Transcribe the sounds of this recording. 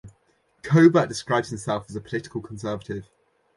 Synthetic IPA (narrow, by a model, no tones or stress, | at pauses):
kʰəʊbəd̥ɪskɹaɪbz̥hɪ̃msɛlˠfəzəpʰə̥lɪtɪ̥kəlˠkʰə̃nsɜːvətɪv̥